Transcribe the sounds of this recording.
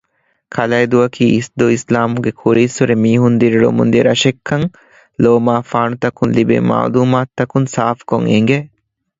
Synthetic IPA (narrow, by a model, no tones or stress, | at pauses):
kʰɐlɐjd̪uɐkʰiːisd̪oislaːmuɡekʰuɾiːsuɾemiːɦund̪iɾiɭṵmṵnd̪iɾɐʃekʰːɐŋ | loːmaːfaːɳut̪ɐkunlibḛma̰ːluːmaːt̪ːɐkunsaːfkoŋeŋ̆ɡe